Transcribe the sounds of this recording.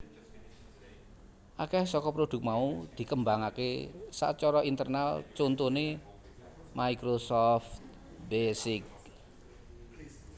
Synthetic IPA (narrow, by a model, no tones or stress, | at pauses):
ʔakɛhsɔkɔpɾod̪̥ʊ̤k̚maud̪̥i̤kəmbaŋakḛsa̰t͡ʃɔɾɔint̪ərnalt͡ʃont̪une | maikɾosɔft̪ | besɪk̚